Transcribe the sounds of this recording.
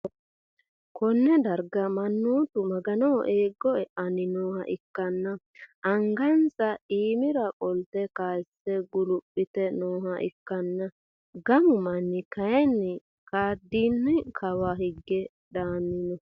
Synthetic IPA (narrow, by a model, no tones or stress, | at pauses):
kʰɔnːɛd̪ɐɾɡɐmɐnːoːt̪ʊmɐɡɐnoːʔeːɡːɔɛʔɐnɪnoːhɐʔɪkːɐnːɐ | ʔɐŋɡɐnsɐiːmɪɾɐkʼɔlt̪ɛkaːsːɛɡʊlʊpʼːɪt̪ɛnoːɦɐʔɪ̰kːɐnːɐ | ɡɐmʊmɐnːɪkɐjɛnːɪ | kaːd̪ːiːnːɪkʰɐwahɪɡːɛ | d̪aːnːɪnɔ